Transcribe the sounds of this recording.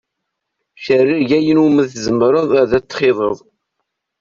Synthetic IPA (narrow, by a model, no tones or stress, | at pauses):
ʃərːiʝæjənuməθzəmɾˤəðˤæðæt͡sːχɪðˤəðˤ